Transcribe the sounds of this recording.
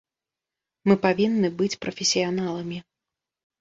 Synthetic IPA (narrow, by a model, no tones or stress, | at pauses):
mɨpavʲinːɨbɨt͡sʲpɾɐfʲɪsʲijanalˠɐmʲi